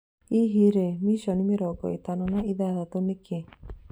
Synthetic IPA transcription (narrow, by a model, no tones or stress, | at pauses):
iɦiɾemiʃɔnimeɾɔɡɔ̰it̪anɔnaʔiðaðat̪oneke